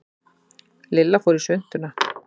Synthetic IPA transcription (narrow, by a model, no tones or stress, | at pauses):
lɪlːafɔwɾi̥sʏn̥t̪ʏna